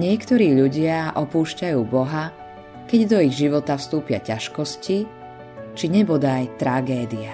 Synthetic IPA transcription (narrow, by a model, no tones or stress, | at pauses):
ɲɪɛkt̪ɔɾiːʎuɟɪaʔɔpuːʃcajuːbɔɦa | kɛɟd̪ɔiɣʒiʋɔt̪afst̪uːpɪa̰caʃkɔsci | t͡ʃiɲɛbɔd̪ajt̪ɾaɡɛːd̪ia